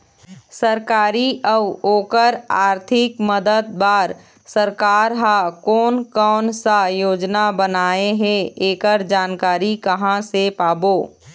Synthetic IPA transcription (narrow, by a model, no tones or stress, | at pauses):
səɾkaːɾiʔəʋoːkəɾaːɾt̪ʰɪkməd̪əd̪̚baːɾ | səɾkaːɾɦakɔːnkɔːnsajoːd͡ʒnabənaːeɦɛ̃eːkəɾd͡ʒaːnkaːɾikɐɦãsepaːboː